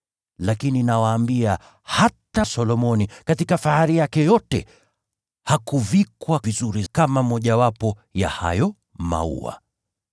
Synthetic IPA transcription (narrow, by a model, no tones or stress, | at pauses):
lakininawaːmbia | hatasɔlɔmɔnikatikafahaɾijakɛjɔtɛ̰ | hakuvikwavizuɾikamamɔʄawapɔja̰ha̰jɔ | ma̰ṵa̰